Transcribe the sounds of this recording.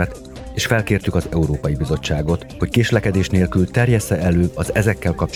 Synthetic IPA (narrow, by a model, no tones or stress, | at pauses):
ɛt̪ | eːʃfɛlkeːrt̪ykɒzɛuɾoːpɒjibizo̞t͡ʃːaːɡo̞t̪ho̞ckeːʃlɛkɛd̪eːʃneːlkylt̪ɛrjɛsːɛɛløːɒzɛzɛkːɛlkɒp̚t͡ʃ